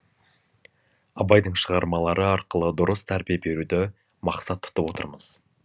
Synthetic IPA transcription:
ɑbɑjd̪əɴʃəʁɑɾmɑlˠɑɾəɑɾqəlˠəd̪ʊɾəst̪ʰæɾbijebe̞ɾud̪ɪ | mɑqsɑt̪ʰːʊ̥t̪əpwo̞t̪ə̰ɾməz̥

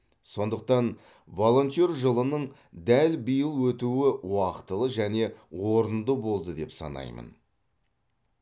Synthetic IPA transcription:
so̞nd̪əq̚t̪ɑn | vo̞lˠo̞nt̪jo̞rʒəlˠənəɴ | d̪ælbəjəlˠwɵt̪uɪwɑqə̥t̪əlˠəʒæne̞wo̞ɾənd̪əbo̞lˠd̪əd̪e̞̰psɑ̰nɑ̰jmə̰n

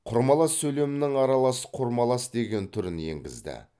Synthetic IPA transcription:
qʰʊɾmɑlˠɑsːɵjle̞mɪnɪŋɑɾɑlˠɑsə̥qʰʊɾmɑlˠɑsd̪e̞ɡʲe̞nt̪ʰʊɾɪnje̞̰ŋɡʲɪ̰zd̪ɪ̰

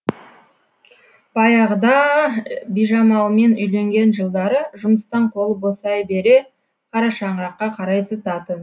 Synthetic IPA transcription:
b̥ɑjɑʁd̪ɑ | bijʒɑmɑlˠme̞nʏjle̞ŋɡʲe̞nʒəlˠd̪ɑɾəʒʊməst̪ɑɴqʰo̞lˠəposɑjbe̞ɾe̞ | qʰɑɾɑʃɑɴəɾɑqːɑqʰɑɾɑjt̪ət̪ɑt̪ən

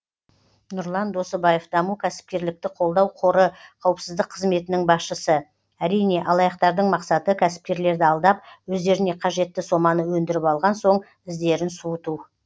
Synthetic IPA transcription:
nʊɾlˠɑnd̪o̞səbɑje̞fd̪ɑmukʲʰæsɪ̥p̚kʲe̞ɾlɪk̚t̪ɪqʰo̞lˠd̪ɑwqʰo̞ɾəqʰɑwəpsɪzd̪əqʰːəzme̞t̪ɪnɪŋbɑsʃəsə | æɾijne̞ʔɑlˠɑjɑqt̪ɑɾd̪əɴmɑqsɑt̪əkʲʰæsɪ̥p̚kʲe̞ɾle̞ɾd̪ɪɑlˠd̪ɑp̚wɵzd̪e̞ɾɪne̞qʰɑʒe̞t̪ːɪso̞mɑnəwɵnd̪ɪɾɪpɑlˠʁɑnso̞ɴ | ɪzd̪e̞ɾɪnsuət̪uw

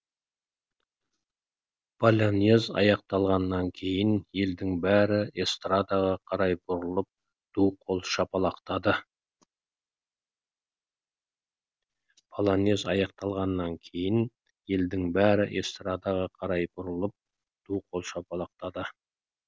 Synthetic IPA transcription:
b̥ʰɑlʲane̞zɑ̰jɑq̚t̪ɑlˠʁɑnːɑŋkʲʰe̞jɪnje̞ld̪ɪŋbæɾɪest̪rad̪ɑʁɑqʰɑɾɑjbʊɾəlˠəp̚ | d̪̥uqʰo̞lˠʃɑpɑlˠɑqt̪ɑd̪ə | pʰɑlˠɑne̞zɑjɑqt̪ɑlˠʁɑnːɑŋkʲʰe̞jɪn | je̞ld̪ɪŋbæɾɪʔest̪rad̪ɑʁɑqʰɑɾɑjbʊɾəlˠəp̚ | d̪̥uqʰo̞lˠʃɑpɑlˠɑq̚t̪ɑd̪ə

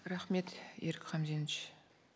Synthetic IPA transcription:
ɾɑχme̞t̪eɾɪkʲχɑmzenɪt͡ʃ

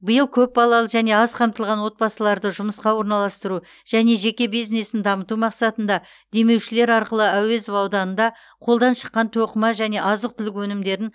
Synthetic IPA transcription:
bəjəlˠkʲʰɵp̚bɑlˠɑlˠəʒæne̞ɑzqʰɑmt̪əlˠʁɑnwo̞t̪̚bɑsəlˠɑɾd̪əʒʊməsqɑwo̞ɾnɑlˠɑst̪əɾu | ʒ̥æne̞ʒe̞kʲe̞bijznesɪnd̪ɑmət̪umɑqsɑt̪ənd̪ɑ | d̪e̞me̞wʃɪle̞ɾɑɾqəlˠəæwe̞zvɑwd̪ɑnənd̪ɑ | qʰo̞lˠd̪ɑnʃə̥qːɑnt̪ʰoqəmɑʒæne̞ʔɑzəq̚t̪ʰʏlɪkwɵnɪmd̪e̞ɾɪŋ

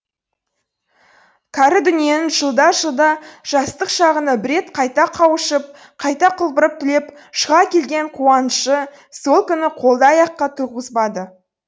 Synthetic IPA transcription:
kʲʰɑɾɪd̪ʏnije̞nɪnʒəlˠd̪ɑʒəlˠd̪ɑʒ̥ɑst̪əqʃɑʁənɑbɪɾe̞t̪qʰɑjt̪ɑqʰɑwəʃəp̚ | qʰɑjt̪ɑqʰəlˠbəɾəp̚t̪ʰʏle̞p | ʃəʁɑkʲʰe̞lɡʲe̞ɴqʰuɑnʃə | so̞lˠkʲʏnɪqʰo̞lˠd̪ɑjɑqːɑt̪ʰuʁəzbɑd̪ə

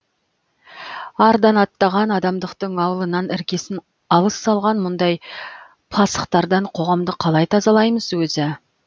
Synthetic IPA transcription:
ɑɾd̪ɑnɑt̪ːɑʁɑnɑd̪ɑmd̪əqt̪əɴɑwəlˠənɑnɪɾkʲe̞sɪn | ɑlˠəsːɑlˠʁɑnmʊnd̪ɑj | pʰˠɑsə̥qt̪ɑɾd̪ɑɴqʰo̞ʁɑmd̪əqʰɑlˠɑjt̪ʰɑzɑlˠɑjməzwɵzɪ

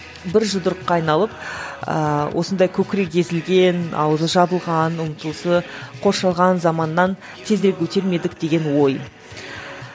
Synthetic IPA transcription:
bɪɾʒʊld̪ʊɾəqːɑːɑjnɑlˠəpə̰wʔo̞sənd̪ɑjkʲʰɵkʲɪɾe̞k̚jʲe̞zɪlɡʲe̞nɑ̰wzəʒɑbəlˠʁɑnʊmət̪əlˠsəqʰo̞ɾʃɑlˠʁɑnzɑmɑnːɑn | t̪ʰe̞zd̪ɾekʲʰɵt̪e̞ɾme̞d̪ɪkd̪e̞ɡʲe̞nwo̞j

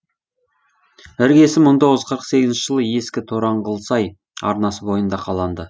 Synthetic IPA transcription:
ɪɾɡʲe̞sɪmːəɴt̪ʰo̞ʁəzqʰəɾəqse̞ɡʲɪznʃɪʒəlˠəje̞skʲɪt̪ʰoɾɑɴʁəlˠsɑj | ɑ̰ɾnɑsəbo̞jənd̪ɑqʰɑlˠɑnd̪ə

